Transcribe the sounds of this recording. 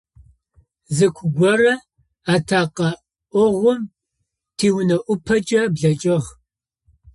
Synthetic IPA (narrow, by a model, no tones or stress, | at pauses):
zɨkʷʰʊɡʷɔrɐ | aːtʰaːqɐ | ʔʷʊʁʷʊm | tʰiːwnɐʔʷʊpʰɐt͡ʃʼɐbɮɐt͡ʃʼɪʁ